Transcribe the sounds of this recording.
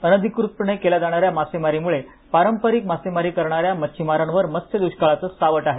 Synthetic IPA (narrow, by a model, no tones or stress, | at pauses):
ənəd̪ʱikɾut̪ɳəjkelad͡zaɽ̃aɾjamasemaɾimuɭe | paɾəmpəɾik̚masemaɾiːkəɾɳ̃aɾjamət͡ɕʰimaɾanʋəɾməst̪ʰjəd̪uɕkaɭat͡səsaʋəʈaɦe